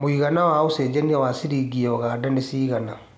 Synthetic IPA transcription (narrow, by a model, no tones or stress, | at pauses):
mwiɣanawaːuseːd͡ʒaniawasiɾiɡiɔɣaːdanesiːɣana